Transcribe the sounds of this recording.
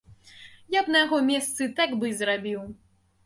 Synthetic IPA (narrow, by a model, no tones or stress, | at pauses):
jabnɐjaɣɔmʲɛst̪sɨt̪aɡbɨzrabʲiw